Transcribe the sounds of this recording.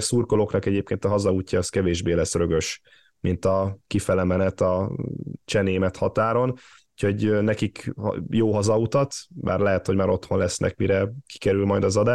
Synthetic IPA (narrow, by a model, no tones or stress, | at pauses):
surkolo̞knɒkɛɟeːp̚keːnt̪ɒɦɒzɒuːcːɒːskɛveːʒbeːlɛsːrøɡø̞ʃ | mint̪ɒkifɛlɛmɛnɛt̪ɒ | t͡ʃɛneːmɛt̪hɒt̪aːɾo̞n | ucho̞ɟnɛkikjoːɦɒzɒut̪ɒt̪ba̰ːrlɛɦɛt̪ho̞ɟmaːɾo̞t̪ho̞nlɛsnʔɛ̰kmiɾɛki̥kɛɾylmɒjd̪ɒzɒd̪aːʃ